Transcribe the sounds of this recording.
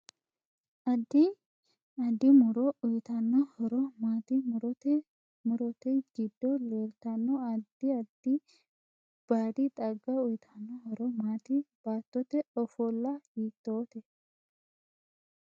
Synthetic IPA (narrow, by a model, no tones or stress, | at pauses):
ʔɐd̪ːɪ | ɐd̪ɪmʊɾɔʊjɪt̪ɐnːɔhɔɾɔmaːt̪ɪmʊɾɔt̪ɛ | mʊɾɔt̪ɛɡɪd̪ːɔleːlt̪ɐnːɔɐd̪ɪɐd̪ɪ | b̥aːd̪ɪt̪ʼɐɡːɐʊjɪt̪ʰɐnːɔhɔɾɔmaːt̪ɪb̥aːt̪ːɔt̪ɛɔfɔlːɐhiːt̪ːoːt̪ɛ